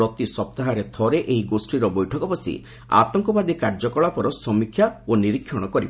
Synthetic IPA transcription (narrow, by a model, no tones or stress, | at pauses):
ɔt̪isɔp̚t̪aɦaɾet̪ʰɔɾeʔeɦiɡosʈiɾɔbɔjʈʰɔkɔpɔsḭ | a̰t̪ɔŋkɔbad̪ikaɾd͡ʒɔkɔɭapɔɾɔsɔmikʰːjaoniɾikʰjɔɽ̃ɔkɔɾibɔ